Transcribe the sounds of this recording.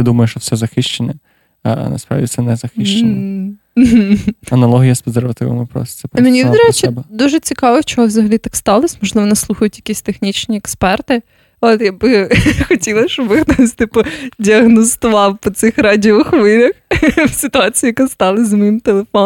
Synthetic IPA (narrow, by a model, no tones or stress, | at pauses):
t̪ɪd̪umɐjʊʃt͡ʃɔsɛzɐxɪʃt͡ʃenʲɛ | ɐ̰nɐ̰spɾɑ̰ʋdʲḭsɛnɛzɐxɪʃt͡ʃen | ɦ̩ɐnɐlˠɔɦʲijɐspɐzeɾʋɐt̪ɪʋɪ̰mɪpɾɔ̰st̪ɛpmenʲid̪ɾɛt͡ʃiɛbɛd̪uʒɛt͡sʲikɑʋɔwt͡ʃɔɦɔʋzɐɦɐlʲit̪ɑkst̪ɑlˠɐsʲmɔʒlˠɨʋɔnɪslˠuxɐjʊt̪ʲjɐkʲisʲt̪exnʲit͡ʃnʲiɛkspɛrt̪ɪ | ot̪jabɪxɐtʲilˠɐʃt͡ʃɔbɪxt̪osʲt̪ɪpʊdʲiɐɣnɔst̪ɔʋɑwpɔt̪sɪxɾɑdʲiʋʊxʋɪlʲɐxfsʲɨt̪ʊɑt͡sʲijijɐkast̪ɑlˠɪzʲɐmɔjimt̪elˠefɔ